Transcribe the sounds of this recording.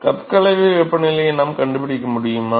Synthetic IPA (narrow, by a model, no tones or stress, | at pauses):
kɐpkɐlɐɪʋɯʋɛpːɐnɪlɐnaːmkɐɳɖɯpɪɽɪkːɐmʊɽɪjɯmaː